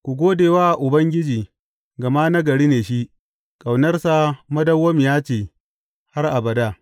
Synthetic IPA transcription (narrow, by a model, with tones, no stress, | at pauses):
kʷu˨ɡʷoː˦deː˨waː˦ʔʔʊ˨bɐ˦ŋɡʲɪ˦d͡ʒiː˨ | ɡɐ˨ma˦na˦ɡɐ˨ɽiː˦neː˨ʃi˦ʔ | kʼa˨wnɐ˦rsa˨mɐ˦dɐ˦wːɐ˦m˨jaː˦t͡ʃeː˨ | ha˦rʔa˨bɐ˨da˦˨